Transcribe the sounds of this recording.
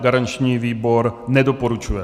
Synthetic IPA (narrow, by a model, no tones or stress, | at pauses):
ɡaɾant͡ʃɲiːviːbo̞ɾnɛdopoɾut͡ʃujɛ